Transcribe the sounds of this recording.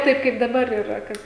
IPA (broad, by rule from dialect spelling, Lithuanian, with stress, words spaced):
ˈtɐɪp kɐɪp dɐˈbɐr ɪ rɐ ˈkɐt